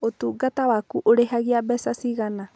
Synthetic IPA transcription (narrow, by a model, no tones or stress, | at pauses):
ot̪uɡat̪awakuʔoɾeɦaɣiabɛsasiɣana